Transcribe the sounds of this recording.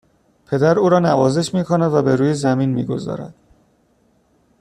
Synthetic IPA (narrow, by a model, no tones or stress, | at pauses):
pʰe̞d̪æɾuːɾɒːnævɒːze̞ʃmiːkʰonæd̪væbe̞ɾuːjezæmiːnmiːɡo̞̰zɒ̰ːɾæ̰d̪̥